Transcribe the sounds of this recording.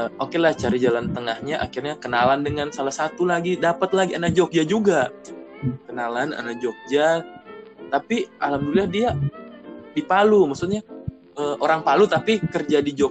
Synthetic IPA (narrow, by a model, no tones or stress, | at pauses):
əʔokelaht͡ʃaɾid͡ʒalant̪əŋahɲaʔa̰kirɲakənalandəŋansalahsat̪ulaɡidapət̪laɡianad͡ʒok̚d͡ʒad͡ʒuɡa | kənalana̰nad͡ʒok̚d͡ʒa | t̪apiʔalamdulahdia | dipalumaksut̪̚ɲa | əʔoɾaŋpalut̪apikərd͡ʒadid͡ʒok̚